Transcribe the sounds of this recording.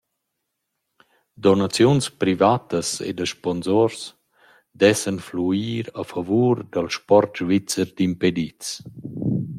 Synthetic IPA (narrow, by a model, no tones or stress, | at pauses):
d̪ɔnat͡sjunspɾivat̪əsḛd̪əʃpɔnzoɾs | d̪ɛsənfluiːɾafavuːɾd̪əlʃpɔɾtʒvit͡səɾd̪imped̪it͡s